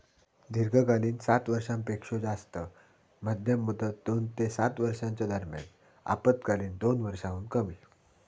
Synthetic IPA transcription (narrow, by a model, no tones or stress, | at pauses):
d̪ʱiɾɡʱəkaliːnsat̪ʋəɾʂãmpekʂod͡zast̪ə | mad̪ʱjəmːud̪ət̪̚d̪ont̪esat̪ʋəɾʂãɲt͡ɕad̪əɾmja̰n | a̰pət̪kaliːnd̪onʋəɾʂãɦuːnkəmiː